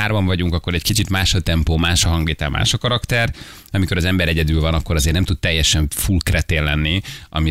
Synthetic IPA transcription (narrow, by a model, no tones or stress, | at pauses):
aːrbɒɱvɒɟuŋkɒkːoɾɛɟkit͡ʃit̪maːʃɒt̪ɛmpoːmaːʃɒɦɒŋɡeːt̪aːma̰ːʃɒkɒɾɒkt̪ɛr | ɒmiko̞ɾɒzɛmbɛɾɛɟɛd̪ylvɒnɒkːo̞ɾɒzeːrnɛmt̪ut̪̚t̪ɛjːɛʃɛɱfulkrɛt̪eːlːɛnːiʔɒ̰mi